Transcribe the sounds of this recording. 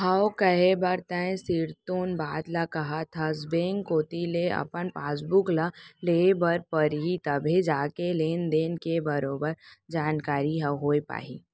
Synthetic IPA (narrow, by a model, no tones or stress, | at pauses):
ɦɐwkɐɦebɐɾt̪ɛ̃ẽsɪɾt̪oːnbaːd̪lakɐɦat̪ʰazbeːŋkoːt̪ileɐ̰pənpaːsbʊklaleːbɐɾpəɾɦit̪ɐbʱed͡ʒaːkeleːnd̪eːnkebɐɾoːbəɾd͡ʒaːnkaːɾiɦɐwɦoːepa̰ːɦḭː